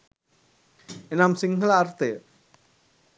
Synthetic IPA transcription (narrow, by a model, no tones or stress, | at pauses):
enaːmsiŋɦɐlaːɾt̪e